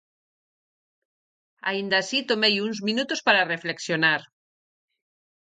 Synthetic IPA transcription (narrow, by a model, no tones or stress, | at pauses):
a̰ind̪aːsit̪omejuŋzmĩnut̪ospaɾarefleksjonaɾ